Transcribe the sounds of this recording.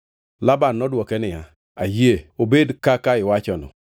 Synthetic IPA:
labanːɔdwɔkɛnɪa | ajeobedkakaɪwat͡ʃɔnɔ̰

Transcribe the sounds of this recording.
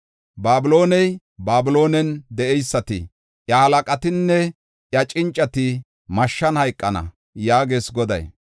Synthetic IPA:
baːbɪlo̞ːnɛj | baːbɪlo̞ːnɛnd̪ɛʔɛjsːɐt̪ɪ̰ | ʔjɐhɐlɐkʼɐt̪ɪnːɛ | jɐt͡ʃʼɪnt͡ʃʼːɐt̪ɪ | mɐʃːɐnhɐjkʼːɐnɐ̰ | jaːɡeːsɡɔd̪ɐ̰j

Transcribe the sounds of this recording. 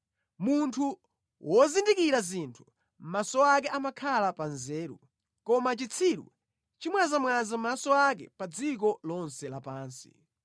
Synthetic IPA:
muntʰu | wɔzindikiɾazintʰu̥ | m̩masɔak̬ɛʔamakʰalapanzɛːɾṵ | kɔmat͡ʃit͡sʰiɾṵ | t͡ʃimwazamwazam̩masɔakɛ̰pad͡zik̬ɔlɔnsɛlapaːnsḭ

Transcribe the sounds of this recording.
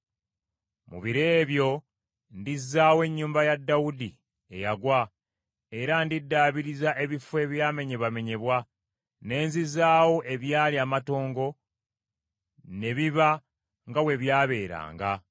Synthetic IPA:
mṵβiɾe̞ːβjo̞ | ndizːaːwe̞ɲːuːmbajadːawudi | e̞jaɡwa | e̞ɾandidːaːβiɾizaʔe̞βifwe̞ːβjaːme̞ɲe̞βame̞ɲe̞βwa | ne̞ːnzizaːwo̞ʔe̞βjaːliamato̞ːŋɡo̞ | ne̞βiβa | ŋɡawe̞βjaːβe̞ːɾa̰ːŋɡa

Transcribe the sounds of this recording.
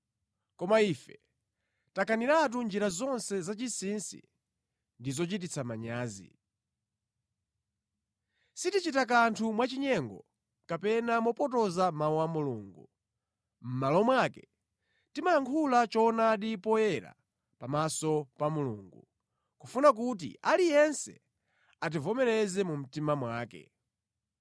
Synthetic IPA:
kɔmaifɛ | takʰaniɾat̬und͡ʒiɾazɔnsɛzat͡ʃisinsḭ | ndizɔt͡ʃit̬it͡sʰamaɲaːzḭ | sitit͡ʃitak̬antʰumwat͡ʃiɲɛŋɡɔ̰ | kapɛnamɔpɔtɔzamauamuluːŋɡu | m̩malɔmwakɛ̥ | timajaŋkʰulat͡ʃɔnaːɗipɔjɛɾa̰ | pamasɔpamuluːŋɡṵ | kufunak̬ut̬ḭalijɛnsɛ̰ | at̬ivɔmɛɾɛzɛmum̩timamwaːkɛ̰

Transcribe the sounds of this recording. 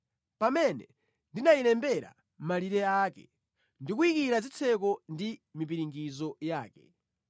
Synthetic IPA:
pamɛnɛ | ndinailɛmbɛɾa̰ | mmaliɾɛaːkɛ̰ | ndikuikiɾazit͡sʰɛk̬ɔndimip̬iɾiŋɡizɔjaːkɛ

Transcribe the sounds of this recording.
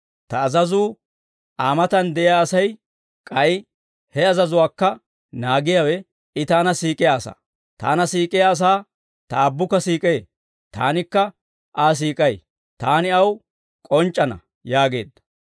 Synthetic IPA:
t̪ɐːzɐzuː | ʔaːmɐt̪ɐnd̪ɛʔɪjaːɐsɐj | kʼɐj | hɛɐzɐzʊwaːkːɐ | naːɡɪjawɛ | ɪt̪aːnɐsiːkʼɪjaːsa̰ː | t̪a̰ːnɐsiːkʼɪjaːs̬aː | t̪ɐːbːʊkːɐsiːkʼeː | t̪a̰ːnɪkːɐ | ʔaːs̬iːkʼɐj | t̪aːnɪɐw | kʼɔnt͡ʃʼːɐnɐ̰ | jaːɡe̞̰ːd̪ːɐ̥

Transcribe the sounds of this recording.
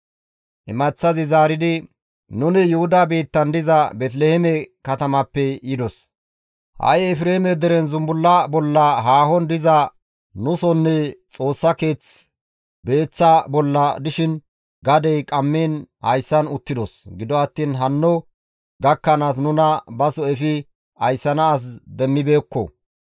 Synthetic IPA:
ʔɛmɐt͡sːɐzɪzaːɾɪd̪ɪ | nʊnɪjʊhʊd̪abeːt̪ːɐnd̪ɪzɐbɛt̪̬lehɛmɛkɐt̪ɐmɐpːɛjɪd̪ɔs | hɐ̰jɛfɾeːhmɛd̪ɛɾɛnzʊmbʊlːɐbɔlːɐɦaːɦɔnd̪ɪzɐ | nʊsɔnːɛt͡sʼo̞ːsːɐke̞ːt͡s | be̞ːt͡sːɐbɔlːɐd̪ɪʃɪn | ɡɐd̪ɛjkʼɐmːeːnhɐjsːɐnʊt̪ːɪd̪ɔsɡɪd̪ɔɐt̪ːiːnɦɐnːɔ | ɡɐkːɐnaːs̬nʊnɐbɐsɔɛfɪ | ɐjsːɐnɐːs̬d̪ɛmːɪbeːkːɔ̰

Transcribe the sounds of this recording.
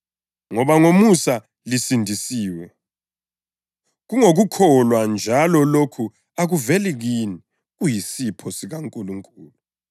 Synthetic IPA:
ŋɔβaŋomusa | lisindʱisiːwɛ | ɣuŋoɣukʰɔlwand͡ʒʱalɔlokʰu | aɣuvɛliɣini | ɣujisipʰɔsiɣaŋkʼuluŋkʼuːlu

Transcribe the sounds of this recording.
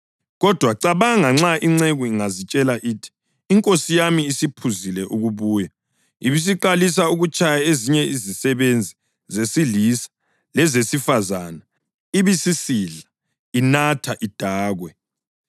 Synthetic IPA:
ɣɔd̥ʱwaǀaβaŋaŋ͡ǁaʔiŋ͡ǀeɣuiŋazit͡ʃʼɛlaʔiːtʰi̥ː | ŋkʼosijamiːsipʰuzilɛʔuɣuβuːja | iβis̬iǃalis̬auɣut͡ʃʰʼajaeziɲɛizisɛβend͡zʱi | zesilisḁ | lɛzesifazana | iβisisiːɮa | inatʰaʔid̥ʱaːɣwɛ

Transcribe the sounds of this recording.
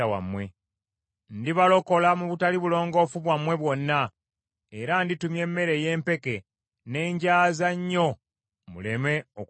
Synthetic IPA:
awa̰mwe̞ | ndiβalo̞ko̞lamuβutaliβulo̞ːŋɡo̞fuβwamwe̞βwo̞nːa | e̞ɾanditumje̞mːe̞ɾe̞je̞ːmpe̞ke̞ | ne̞ːɲɟaːzaɲːo̞ | mṵle̞me̞o

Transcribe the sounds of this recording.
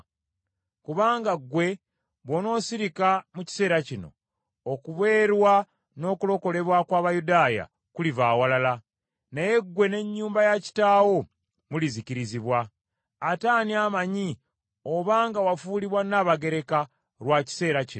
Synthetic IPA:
kuβaːŋɡaɡːwe̞ | βwo̞no̞ːsiɾikamuci̥se̞ːɾacino̞̰ | okuβe̞ːɾwa | no̞ːkulo̞ko̞le̞βwakwaːβajudaːja̰ | kulivaːwalala | naje̞ɡwe̞ne̞ɲːuːmbajaci̥taːwo̞ | muliziciɾiziβwaː | taːniamaɲi | oβaːŋɡawafuːliβwanaːβaɡe̞ɾe̞ka | ɾwaci̥se̞ːɾaci

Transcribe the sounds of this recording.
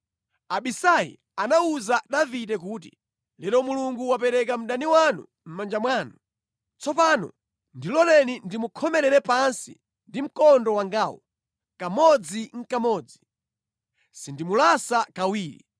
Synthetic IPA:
aɓisaḭ | anauzaɗavitɛk̬uːt̬i | lɛlɔmuluŋɡuwapɛɾɛkam̩ɗaniwanṵ | m̩mand͡ʒamwaːnu | t͡sɔpaːnɔ̰ | ndilɔlɛnindimukʰɔmɛɾɛɾɛpansḭ | ndim̩kɔndɔwaŋɡaːwɔ̰ | kamɔd͡ziŋ̩kamɔːd͡zi | sindimulasakawiːɾḭ

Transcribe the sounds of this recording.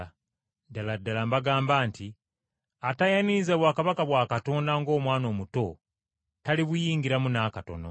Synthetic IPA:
daladːalambaɡaːmbaːnti | atajanizeβwaːkaβakaβwaːkato̞ːndaŋɡo̞ːmwaːno̞ːmuto̞ | taliβujiːŋɡiɾamunaːkato̞̰no̰

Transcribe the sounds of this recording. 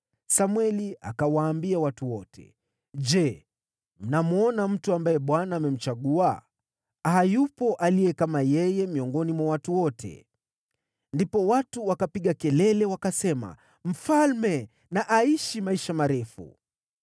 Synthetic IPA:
samwɛlia̰kawaːmbiawatuwɔtʰɛ̰ | ʄɛ | m̩namuɔnam̩tuambajɛɓwanaːmɛm̩t͡ʃaɠua | hajupɔʔalijɛkamajɛjɛmiɔŋɡɔnimwawatuwɔtʰɛ̰ | ndipɔwatuwakapiɠakɛlɛlɛwakasɛma̰ | m̩falmɛ | naʔaiʃimaiʃamaɾɛfṵ

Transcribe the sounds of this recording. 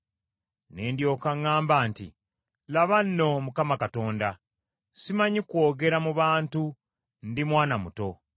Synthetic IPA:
neːndjo̞ːkaŋːaːmbaːntḭ | laβanːo̞mukamakato̞ːnda | simaɲikwo̞ːɡe̞ɾamuβaːntu | ndimwaːnamṵto̞

